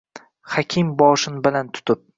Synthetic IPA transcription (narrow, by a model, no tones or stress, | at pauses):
hakʲʰɪmbɒʃɪnbɪlant̪ʰʊ̥t̪ʰɪp̚